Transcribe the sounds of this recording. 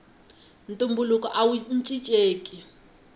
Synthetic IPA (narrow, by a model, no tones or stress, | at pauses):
ntʼumbulukɔʔawunt͡ʃʼit͡ʃʼeːkʼi